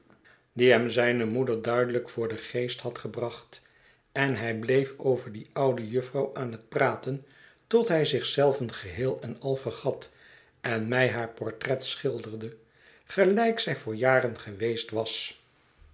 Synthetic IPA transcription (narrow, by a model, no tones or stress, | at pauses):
diɦɛmzɛjnəmudəɹdœɥdələkfʊːɹdəχejsthɑtχəbrɑχt | ɛnɦɛjblejfowvəɹdiɑwdəjɵfrɑwʔaːnɦət̚praːtən | tɔtɦɛjzɪχsɛlˠvənχəɦɪːlˠɛnɑlˠvəɹχɑt | ɛnmɛjɦaːɹpɔɹtrɛtsχɪlˠdərdə | χəlɛjksɛjvʊːɹjaːrənχəʋejstʋɑs